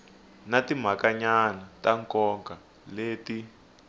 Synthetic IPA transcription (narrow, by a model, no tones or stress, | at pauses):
natim̤akaɲanataŋkɔŋka | leːti